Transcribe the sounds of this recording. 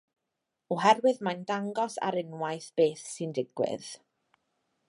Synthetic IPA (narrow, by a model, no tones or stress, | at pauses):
ɔɦɛrwɨðmajndaŋɡɔsa̰ɾɪnwajθb̥eːθsɨndɪɡ̥wɪ̰ð̥